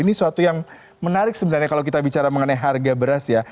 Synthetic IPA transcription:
inisuat̪ujaŋ | mənaɾɪk̚səbənarɲakalawk̬it̪abit͡ʃaɾaməŋənajɦarɡabəɾasja

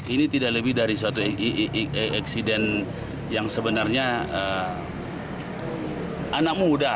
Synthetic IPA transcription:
init̪idakləbɪhdaɾisəat̪u | ʔaksidɛn | jaŋsəbənarɲaə | anak̚muda

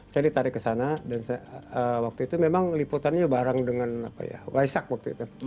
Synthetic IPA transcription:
sajadit̪aɾɪkːəsanadansəwak̚t̪uit̪umemaŋliput̪anɲabaɾaŋdəŋana̰pa̰ja̰waisak̚wak̚t̪uḭt̪u

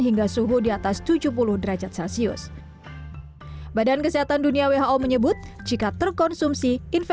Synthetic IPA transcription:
ɦiŋɡasuɦudiat̪ast̪ud͡ʒupulʊhdəɾad͡ʒat̪̚sɛlsiʊ̰s | badankəsiɦat̪anduniaweɦaʔoməɲəbʊt̪̚ | d͡ʒikat̪ərkɔnsumsiʔinf

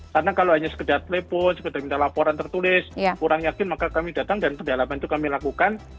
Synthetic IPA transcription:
karnakaloɦaɲasə̥kədart̪elepɔnsə̥kədarmint̪ahlapoɾant̪ərt̪ulɪskuɾaŋjakɪnmakakamidat̪aŋdanpədalamant̪ukamilakukan

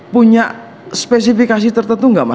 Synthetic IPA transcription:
puɲaʔ | spɛs̬ifikas̬it̪ərt̪ənt̪uŋɡama

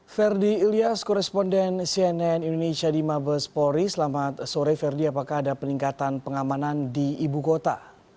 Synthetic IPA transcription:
fɛrdiːliaskɔɾɛspɔndɛnsiɛnɛnindonesiadimabəspɔɾisəlamat̪soɾajfɛrdiapakaɦːdapəniŋkat̪anpəŋamanandiːbukot̪a

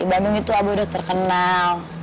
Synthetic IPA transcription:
ibamuŋit̪uabaudaht̪ərkənal

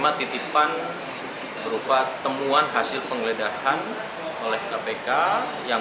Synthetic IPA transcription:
mat̪it̪ipan | bəɾupat̪ːəmuanɦasɪlpəŋələdahan | olɛhkapeka | ja

